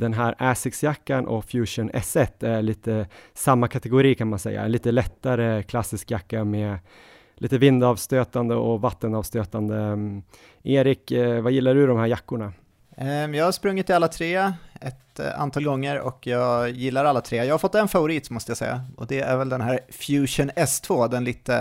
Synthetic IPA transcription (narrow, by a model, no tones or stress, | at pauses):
d̪̥ɛnɦæːɾæːsɪksjakːanʔɔ̰fjʉːʂʊnɛ̰sɛt̪ːæɭiːt̪əsamːakʰat̪ɛɡʊɾiːkʰanmansɛ̰jːa̰ɛ̰nliːt̪əlɛt̪ːaɾəkʰlasɪskjakːameː | lʔiːt̪əvɪnd̪ɑvst̪øːt̪and̪əʔɔvat̪ːənɑːvst̪øːt̪and̪ə | eːɾɪkvajɪlːaɖɵd̪ɔmhæːɾjakːʊɳa | jɑːɡhaʂpɾɵŋːɪt̪ːɪalːat̪ʰɾeːɛt̪a̰nt̪ʰɑːlɡɔŋːəɾɔ̰kjɑːɡjɪlːaɾalːat̪ʰɾeːjɑɡhaɾfɔt̪ːɛnfavʊɾiːt̪mɔst̪əjasɛ̰jːa̰ʔɔd̪ɛæɾvɛld̪ɛnɦæːɾfjʉːʂʊnɛst̪ʰvoːd̪ɛnliːt̪ə